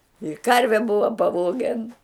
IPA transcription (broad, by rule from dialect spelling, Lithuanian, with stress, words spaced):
ɪ ˈkɐrʲʋʲɛ ˈbʊʋɐ pɐˈʋoːɡʲɛn